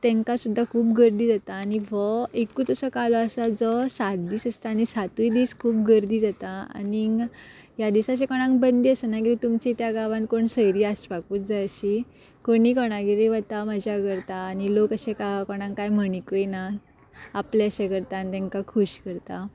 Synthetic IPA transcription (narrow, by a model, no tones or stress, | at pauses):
t̪ɛ̃ŋkasud̪ʱːakʰuːpɡəɾd̪iːd͡zat̪aːñiʋɔekut̪əsɔkalɔəsad͡zɔsat̪̚d̪iːsəst̪aaːñisat̪ujd̪iːskʰuːp̚ɡəɾd̪iːd͡zat̪aa̰ni | jad̪isaɕekɔɽ̃ãŋkbənd̪iəsənakiit̪umt͡ɕit̪jaɡaʋãnkoɳsəjɾiːasbakuːt͡sd͡zaəɕi | koɽ̃iːkɔɽ̃aɡiɾeʋət̪amad͡ʑʱjakəɾt̪aːnilokəɕekakɔɽ̃ãŋkajm̤əɳikojnaː | pleəɕekəɾt̪ant̪ɛ̃ŋkakʰuɕkəɾt̪a